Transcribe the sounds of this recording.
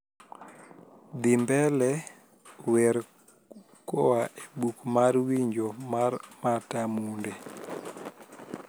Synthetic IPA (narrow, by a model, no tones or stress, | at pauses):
d̪ɪmbɛlɛ | wɛɾ | kɔaʔebukmarwiɲd͡ʒomarmatamundɛ